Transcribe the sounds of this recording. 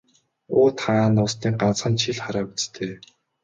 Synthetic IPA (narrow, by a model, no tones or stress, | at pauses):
oːt̪χanaːnːʊst̪iːŋɢant͡sχə̆nt͡ɕʰiɮχaɾaːut͡st̪ʰeː